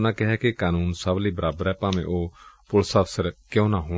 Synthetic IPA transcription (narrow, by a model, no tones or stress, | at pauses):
nãːkɪɦɛkikaːnuːnsabliːbəɾaːbəɾɛːpãːmḛ̃ʔoːpʊlsəfsəɾkeõnãːɦʊ